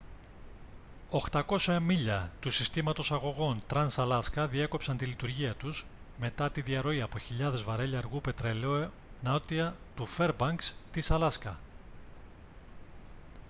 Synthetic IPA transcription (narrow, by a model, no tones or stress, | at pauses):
o̞xt̪ɐko̞sɐmiʎɐt̪usist̪imɐt̪o̞sɐɣo̞ɣo̞nt̪ɾɐnsɐlɐskɐðie̞ko̞psɐnt̪ilit̪uɾʝiɐt̪uz̥ | me̞t̪ɐt̪iðiɐɾo̞iɐpo̞çiʎɐðe̞zvɐɾe̞ʎɐɾɣupe̞t̪ɾe̞leo | nɐt̪iɐ | t̪ufe̞ɾbɐŋkst̪isɐlɐskɐ